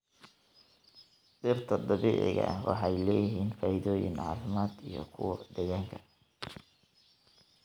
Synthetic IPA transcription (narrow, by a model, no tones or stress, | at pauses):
sɪrt̪ʰɐd̪ɑβiːʕɪ̰ɣɐ̰wʔɑ̰ħɑjlɛːjɪɦiːnfaːjɪðɔːjɪ̰nʕɑ̰ːfɪmaːd̪ijɔ̰kʰʊwɐd̪ɛjaːŋkʰɐ̥